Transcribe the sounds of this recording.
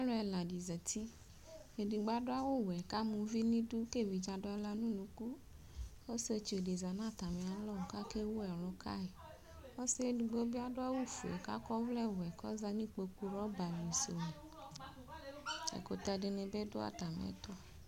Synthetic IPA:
a˦lɔ̃˦ɛ˨lã˨di˨zɛ˨t̪i˦ | e˨di˨ɡ͡ba˦do˦a˦wo˦wɛ˨ka˦mũ˨vi˦nĩ˦du˦ke˦˨vi˨d͡ʒã˨do˦a˦la˦nũ˦nũ˨ku˦ | o˦se˦o˧˦t͡ʃe˨di˨za˨nã˦˨t̪a˨me˨a˨lɔ˦˨ka˦ke˦wo˦ɛ˨lɔ˨kʰa̰˦e˨ | o˦se˦di˨ɡ͡bo˦bi˦a˦do˦a˦wo˦fṵ˨ɛ̰˨ka̰˦kɔ˦vlɛ˦˨wɛ˨kɔ̰˦za˦nĩ˦k͡po˨ku˦ɾɔ˦ba˨li˨so˨mẽ˨ | ɛ̰˨ko˨t̪a˧˨de˨nẽ˨bɛ˦do˦a̰˦˨ta˨mɛ̰˦t̪ɔ˦

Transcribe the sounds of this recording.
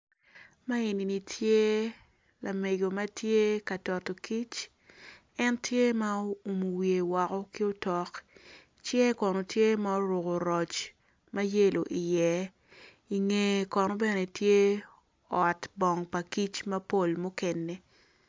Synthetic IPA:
ma˦i˨ni˨ni˨tʰje˦ | la˨me˨ɡo˨mɐ˦tje˦ka˨tɔ˨to˨ki˦t͡ʃ | ɛ˦ntje˦ma˦o˦u˨mu˨wje˨wa˨kɔ˦kɪ˦o˦tɔ˨k | t͡ʃjɛ˦kɔ˨no˨tje˦ma˦o˦ɾʊ˨ko˨ɾɔ˨t͡ʃ | mɐ˦je˦lo˨ʔi˨jɛ˦ | i˨ŋe˨kɔ˨nɔ˦bɛ˦ne˨tje˦ | ɔ˨tbɔ˨ŋpa˨ki˦t͡ʃmɐ˦po˦lmu˦ke˨nːe˨

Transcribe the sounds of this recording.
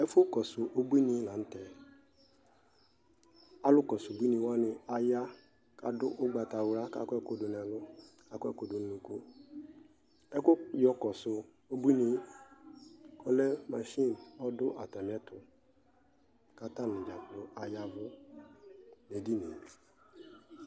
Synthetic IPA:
ɛ˦fʊ˦kɔ˨sʊ˨ʔo˦bi˦ni˦la˨n̩˦tɛ˨ | a˦lʊ˦kɔ˨sʊ˨bʷi˦ni˨˦wa˦nɪ˦a˨ja˦ | ka̰˨dʊ˦ʔʊ˦ɡ͡ba˨ta˨wɾa˦ka̰˦kɛ˦kʊ˨dʊ˨n˨a˨lʊ˦ka˨kʊ˦ɛ˦kʊ˨dʊ˨n̩˦nu˨ko˦ | ɛ˦kʊ˦jɔ˦kɔ˨sʊ˨ | o˦bu˦i˦ni˦ | ɔ˦lɛ˦ma˨ʃi˦˨nɔ˦dʊ˦ʔa˨ta˨m˨ɛ˦tʊ˨ | ka˦ta˦n˨ɪ̃˨d͡ʒa˨klʊ˦ʔa˨ja˦vʊ˦ | ne˨di˦ne˨

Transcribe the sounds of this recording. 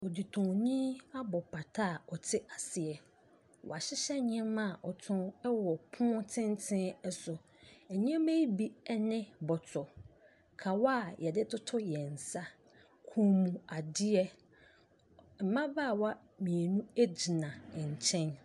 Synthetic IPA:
ɔ˨di˨tʰʊ̃˨ɲĩ˦a˦bɔ˨pʰa˨tʰa˦˨ɔ˨tʰɪ˦a˨sɪ˨ɛ˨ | wɔ̰˨a˨ɕɪ˦ɕɛ˦ɲɪ̃˦mã˦˨ʔɔ˨tʰʊ̃˦wɔ˨pʰʊ̃˦tʰɪ̃˦n˦tʰɪ̃˦ɛ˦sʊ˨ | ɛ˨ɲɪ̃˦me˦ji˦bi˦ɛ˦nɪ̃˦bɔ˨tʰʊ˨ | kʰa˨wa˦˨jʔɛ˨dɪ˦tʰʊ˦tʰʊ˦jɛ˨n̩˨sa˦ | kʰũ˨˦mũ˨a˨dɪ˦ɛ˦ | m̩˨mã˦baː˦˨wa˦ | mĩ˨e˨nũ˦e˦d͡ʑi˨nã˨ɛ˨ɲ˨t͡ɕʰɛ̃˦n

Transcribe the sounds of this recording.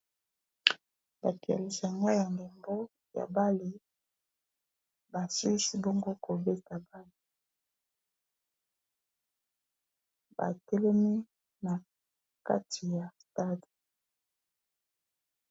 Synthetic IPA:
ba˨ki˨a̰˨li˨sa˨ŋɡa˦ja˨ŋɡe˨mbo˦ | ja̰˨ba˦li˨ | ba˨su˦si˦bo˦ŋɡo˦ko˨be˦ta˨ba˦li˨ | ba̰˨tɛ˦lɛ˦mi˦ | na˨ | ka̰˦tʰi˨ja˨sta˦di˨

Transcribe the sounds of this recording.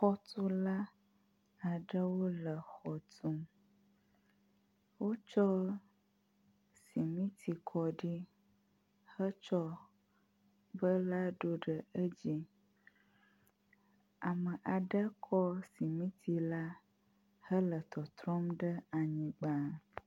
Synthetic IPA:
xɔ˦t̪u˦la˦ | a˨ɖə˦wo˦lə˨xɔ˨t̪u˦m | wo˦t͡ʃɔ˦ | si˨mĩ˦t̪ʰi˨kʰɔ˨ɖi˦ | hə˦t͡ʃɔ˦ | bə˦la˦ɖo˦ɖə˨ə˦d͡ʑi˦ | a˨mə˨ʔa˨ɖə˦kʰɔ˦si˨mĩ˦t̪ʰi˨la˦ | hə˦lə˨t̪ɔ˨t̪ɾɔ˦mɖə˦a˨ɲĩ˨ɡ͡ba˨

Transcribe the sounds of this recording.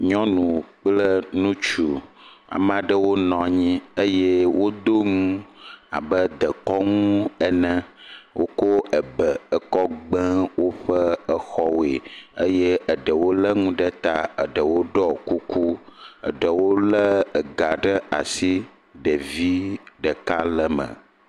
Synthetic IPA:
ɲɔ̃˦nũ˨k͡plə˦nũ˦t͡ʃu˨a̰˨m˦ã˨ɖə˦wo˦nɔ̃˨ɲĩ˦ə˦je˦wo˦d̪o˦ŋũ˦a̰˨bə˦d̪ə˨kɔ˦ŋũ˦ə˨nə̃˦wʔo˦ko˦ə˨bə˨ə˨kɔ˦ɡ͡bə̃˦wo˦ɸə˦ə˦xɔ˦we˨ə˦je˦ə˨ɖə˨wo˦lə˦ŋũ˦ɖə˦t̪a˦ə̰˨ɖə˨wo˦ɖɔ˦ku˦ku˦ə̰˨ɖə˨wo˦lə˦ə˨ɡa˨ɖə˦a̰˨si˦ | ɖə˨vi˦ɖə˨ka˦lə˨mə̰̃˨

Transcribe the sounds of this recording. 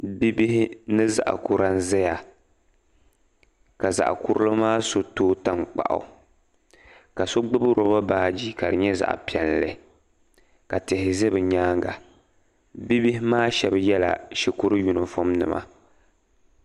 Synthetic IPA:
bi˦bi˦hɪ˦nɨ˦za̰˨ʔa̰˨ku˨ɾa˦n̩˦zɛ˦ja˨ | ka˨za̰˨ʔku˦ɾlɨ˦maː˦so˨toː˦ta˦ŋk͡pa̰˨ʔa̰˨ | ka˨so˦ɡ͡bɨ˦bɨ˦ɾo˨ba˦baː˨˦˨d͡ʒiː˦ka˨ɾɨ˨ɲɛ˦za̰˨ʔpi˨ɛ˨nlɨ̰˨˦ | ka˨tɨ˨hɪ˨zɨ˦bɨ˨ɲaː˦ŋɡa˨ | bi˦bi˦ɦɪ˦maː˦ʃɛ˦bjɛ˦la̰˨ʃi˨ku˦ɾɨ˦ju˨nɨ˨fo˦mnɨ̰˨mʔa̰˦

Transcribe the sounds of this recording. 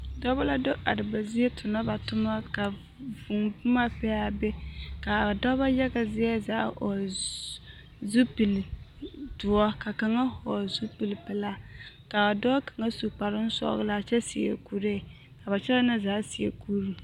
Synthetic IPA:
dɔ˦ba˦la˦do˦ʔa˨dɨ˨ba˨zi˦jɛ˦tʰʊ˨na˦ba˨tʊ˦ma˦ka˨ | vu˨ŋbʊ˦ma˦pɛ˦ja˦bɛ˦ka˨dɔ˦ba˦jɛ˦ɡa˨zɪ˦ɛ˦zaː˨˦ɔ˨ | zu˦pi˨ltʊ˨ɔ˦ka˨ka˨ŋa˦hɔ˨zu˦pi˨lpɛ˨la˦ | ka˨dɔ˦ka˨ŋa˦su˨k͡pa˨ɾɨ˦n̩˦sɔ̰˦ɣɨ˦la˨t͡ʃɛ˦si˨ḛ˨ku˦ɾe˦˨ | ka˨ba˨t͡ʃɛ˦la˦na˦zaː˨˦si˨ḛ˨ku˦ɾi˨

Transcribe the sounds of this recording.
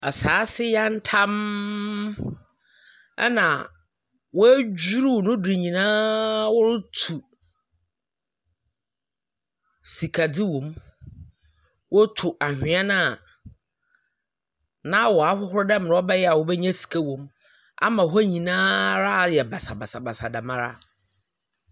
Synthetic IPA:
ɛ˨saː˨˦sɪ˦ja˦n̩˦tʰã˦m | ɛ̰˦nã˨ | wɔ˦æ˦d͡ʑu˦ɾu˦˨nʊ̃˦di˨ɲĩ˨nãː˦wʊ˦ɾʊ˦tʰu˨ | si˨kʰa˨d͡zɪ˦wɔ̃˨m | wɔ˦tʰʊ˨ʔa˨hᶣɪ̃˨˦a˦nã˦˨ | nã˦wɔ˨a˨˦hʊ˦ɦʊ˦ɾʊ˦dɛ˦m˨nã˨˦ɔ˦bɛ˦jɛ˦a˨wʊ˦bɛ˦ɲɛ̃˦si̥˨kʰa˦wõ˨m | a̰˦mã˨ɦɔ˦ɲĩ˨nãː˦ɾa˦˨jɛ˨ba˨sa˨ba˨sa˨ba˨sa˨da˨mã˦ɾa̰˦

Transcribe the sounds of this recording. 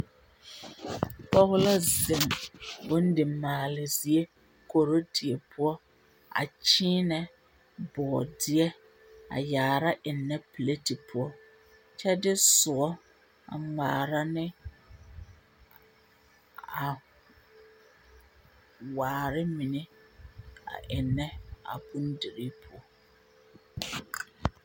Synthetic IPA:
pɔ˦ɣʊ˦la˦zɪ˨mbʊ˦n̩˦dɪ˨maː˨lɪ˨zi˨e˦ | ko˨ɾo˦tʰi˨e˨pʰʊ˦ɔ˦ | a̰˨t͡ʃiː˦nɛ˨ | bɔː˨dɪ˦ɛ˦ | a̰˨jaː˨ɾa˦ʔɪ˨nːɛ˦pi˨le˦ti˨pʰʊ˦ɔ˦ | t͡ʃɛ˦dɪ˦sʊ˨ɔ˦ | a̰˨ŋ͡maː˨ɾa˦nɪ̃˦ | a˨ | waː˨ɾɪ˦mĩ˨nɪ̃˦ | a̰˨ʔɪ˨nːɛ̃˦a̰˨bũ˦n˦di˨ɾi˦pʰʊ˦ɔ˦

